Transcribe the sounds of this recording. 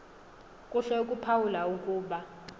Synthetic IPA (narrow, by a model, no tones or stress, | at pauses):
kʼuɬɛukʼupʰawulaukʼuːɓa